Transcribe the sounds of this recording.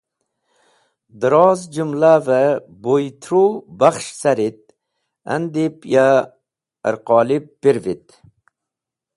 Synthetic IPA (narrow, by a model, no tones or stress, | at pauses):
d̪ɨɾɑzd͡ʒʊmlavæ | bojt̪ʰɾubaχʃsæɾɪt̪̚ | æ̰nd̪epja | ə̰ɾqɑːlɪpb̥eɾvɪt̪